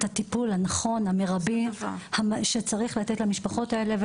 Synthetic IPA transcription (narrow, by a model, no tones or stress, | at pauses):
tat̪ipulhanaχo̞nhameʁabihaʃet͡saʁiχlat̪etlamiʃpaχo̞taele̞v